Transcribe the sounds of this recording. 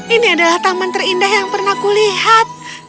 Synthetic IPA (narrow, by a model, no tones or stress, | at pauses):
iniadalaht̪amant̪ərindahjaŋpərnahkulihat̪̚